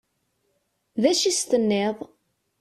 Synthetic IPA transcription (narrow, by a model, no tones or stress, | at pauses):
ðæʃist̪ənːeðˤ